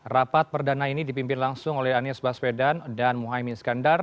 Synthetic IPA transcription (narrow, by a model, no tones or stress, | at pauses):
rapat̪̚pərdanainidipimpɪnlaŋsʊŋolɛhanisbaspedandanmuɦajmiskandar